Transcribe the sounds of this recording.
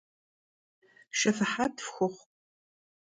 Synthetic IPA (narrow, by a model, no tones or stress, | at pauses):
ʃɐfɨħatʰfxʷʊχʷ